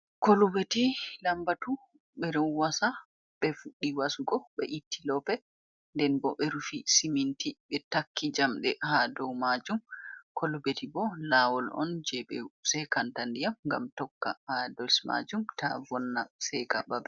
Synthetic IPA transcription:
kolubetilambatu | ɓɛdɔwwasa | ɓɛfuɗːiwasuɡɔɓɛʔitːilɔpɛ | ndɛnbɔɓɛɾufisimintiɓɛtakːid͡ʒamɗɛhadɔwmad͡ʒumkʰolubetibɔlaːwɔlɔ̰nd͡ʒɛɓɛ̰sɛjkantandijamŋɡa̰mtɔkːa̰hadɔlsma̰d͡ʒumtavɔnːasɛjkababɛ

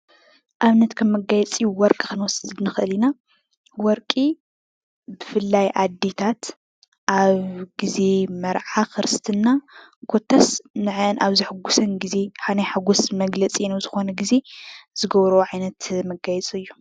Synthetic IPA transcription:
ʔaβnɐt̪kʰɐmːɐɡajɛt͡sʼijuwɔɾkʼikɨnwɔsɨzɨd̪nɨxʔɨlina | wɔɾkʼi | bɨfɨlːajʔad̪et̪ʰat̪ | ʔaβɡize̞mɐɾʕaxɨɾɨst̪ʰɨnːa | kʰo̞t̪ʰːasnɨʕɨʔɨnʔaβzɨħɨɡusɐnɡize̞ħanajħaɡusmɐɡlɐt͡sʼinɐzɨxo̞nɐɡize̞z̥ɨɡɐβɾɐoʕajnɐt̪mɐɡajɛt͡sʼɨjːu

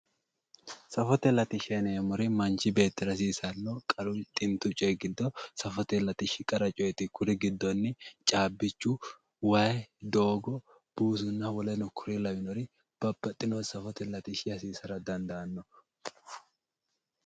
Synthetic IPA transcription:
sɐfɔt̪ɛlɐt̪ɪʃɛnɛːmɔɾɪmɐnt͡ʃːɪbe̞ːt̪ːɪɾɐs̬iːsɐnːɔkʼɐɾʊt̪ʼɪnt̪ʊt͡ʃʼɔjɛɡɪd̪ːɔsɐfɔt̪ɛlɐt̪ɪʃɪkʼɐɾɐt͡ʃʼɔjɛt̪ɪkʰʊɾɪɡɪd̪ːɔnːɪt͡ʃʼaːbːɪt͡ʃːʊ | wɐjɛd̪o̞ːɡɔ | b̥uːs̬ʊnːɐwɔlɛnɔkʰʊɾɪlɐwɪnɔɾɪ | b̥ɐbːɐt̪ʼːɪnɔsɐfɔt̪ɛlɐt̪ɪʃɪɐsiːsɐɾɐd̪ɐnd̪ɐɐnːɔ

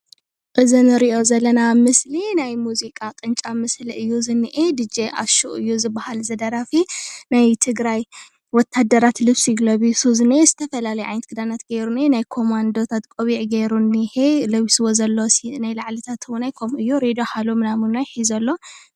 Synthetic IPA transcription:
ʔɨzinɨɾiʔo̞zɐlːɐnamɨslinajmuzikʼakʼɨnt͡ʃʼamɨsliʔɨjːuzɨnːɨʔed̪ɨd͡ʒeʔa̰ʃuʔɨ̰jːuzɨbːahalzɐd̪ɐɾafinajt̪ʰɨɡɾaj | wɔt̪ʰːad̪ɐɾat̪lɨβsiɡlɐβisuznezɨt̪ʰɐfɐlalɐjʕa̰jnt̪kʰɨd̪anat̪ɡeɾuninajkʰo̞mand̪ot̪ʰat̪kʼoβiʕɡeɾunːiħelɐwiswozɐlːosinajlaʕlɨt̪ʰat̪ʰwʊnajkʰomʔɨjːuɾed̪oħalomɨnamɨnojħizɐlːo̞

